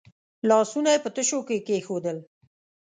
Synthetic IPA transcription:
lɑsunajepət̪əʃokekexod̪əl

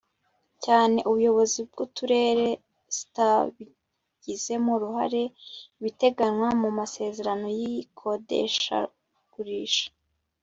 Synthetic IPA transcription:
caːne̞ʔuβujo̞βo̞zib̚ɡutuɾe̞ːɾe̞ | z̥i̥taβi | ɟ̥ize̞muɾuha̰ɾe̞βite̞ɡanŋwamumase̞ːze̞ɾano̞jikʰo̞dḛʃa̰ | ɡ̥uɾiːʃḁ

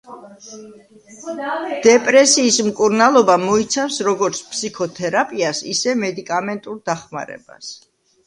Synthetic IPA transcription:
d̪̥ɛpʼɾɛsiːsmkʼuɾnalˠɔbamɔit̪sʰamsɾɔɡɔɾt̪sʰpʰsikʰɔt̪ʰɛɾapʼiasḭsɛmɛd̪ikʼamɛnt̪ʼuɾd̪aχma̰ɾɛ̰ba̰s

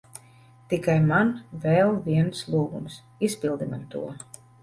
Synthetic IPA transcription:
t̪ikajmanvɛlˠviɛnslˠuːɡṵms | ispʲilˠd̪imamt̪ṵɔ

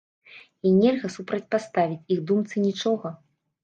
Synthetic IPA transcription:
inʲɛlʲɣɐsupɾɐt͡sʲpast̪avʲit͡sʲiɣd̪umt̪sɨnʲit͡ʂɔɣɐ

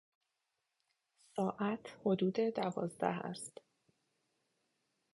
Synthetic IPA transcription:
sɒːʔæt̪ʰho̞d̪uːd̪e̞d̪ævɒːzd̪æ̰hæ̰st̪

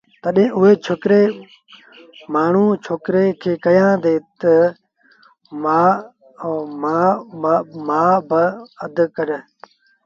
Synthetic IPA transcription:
t̪əɗẽːʔʊɦeːt͡ʃʰoːkɾeː | maːɳ̤ũːt͡ʃʰoːkɾeːkʰeːkəjãːd̪eːt̪ə | maː | maː | maːbəəd̪kəɾə

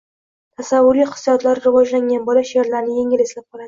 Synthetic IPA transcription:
t̪ʰasavːʊɾiχɨ̥sːijɒt̪ʰlaɾɾɪvɒd͡ʒlaŋɡʲanbɒlaʃeɾlaɾnɪje̞ŋɪlɪslap̚qʰɒlˠad̪ɪ

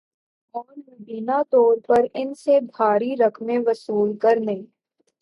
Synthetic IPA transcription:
ɔːɾmɐɖiːnat̪ɔːɾpɐɾɪnseb̪ʱaːɽiɾɐkʰmẽʋɐsuːlkɐɾnɐĩ

